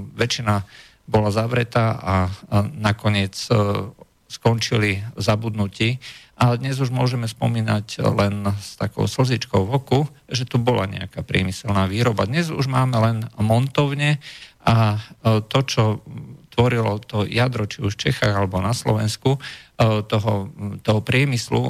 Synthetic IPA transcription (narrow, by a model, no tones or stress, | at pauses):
ʋɛt͡ʃina | bɔlazaʋɾɛt̪aːʔanakɔɲɪɛt͡s | skɔnt͡ʃilizabud̪nuciːʔad̪ɲɛzuʒmʊɔʒɛmɛspɔ̰miːna̰clɛnst̪akɔ̰ʊsl̩zit͡ʃkɔʊʋɔku | ʒɛt̪ubɔlaɲɛ̰akapɾɪɛ̰misɛlnaːʋiːɾɔbad̪ɲɛzṵʒmaːmɛlɛnmɔnt̪ɔʊɲɛʔat̪ɔt͡ʃɔt̪ʋɔɾilɔt̪ɔjad̪ɾɔt͡ʃiuʃft͡ʃɛxa̰ːɣalɛbɔnaslɔ̰ʋɛnsku | t̪ɔɦɔt̪ɔɦɔpɾɪɛmislṵ